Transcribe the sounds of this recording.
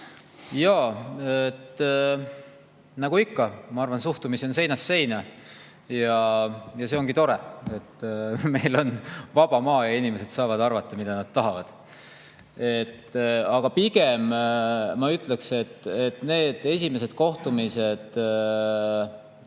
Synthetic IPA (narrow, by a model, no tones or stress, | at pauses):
jɑːet̪ | nɑɡ̥uikːɑmɑɑrvɑnsuht̪umiso̞nse̞jnɑsːe̞jnɑ | jɑjɑse̞o̞ŋɡ̥it̪o̞ɾee̞t̪ːme̞jlo̞nvɑb̥ɑmɑːjɑinʲimese̞d̪sɑːvɑd̪ɑrvɑt̪ˑːɑmid̪̥ɑnɑd̪̥̚t̪ɑɦɑvɑd̪̥ | e̞t̪ːɑɡ̥ɑpiɡ̥e̞mː | ɑyt̪ːˑlekse̞t̪ːet̪ne̞ːd̪̥e̞sʲime̞s̬e̞d̪̥̚ko̞ht̪umise̞d̪̥